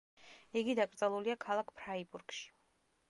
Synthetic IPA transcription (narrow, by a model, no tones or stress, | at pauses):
iɡid̪akʼɾd̪zʼɛlˠuliakʰalˠakʰpʰɾaibuɾɡʃi̥